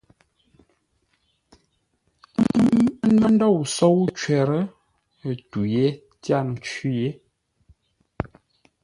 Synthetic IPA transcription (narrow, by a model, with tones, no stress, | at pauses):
m˦n̩˦lɔ˦n˦dɔ˦˨wso˦wt͡ʃwɛ˨ɾə˦˨ | tu˨je˦ | tja˦˨n˨˦t͡ʃi˦je˦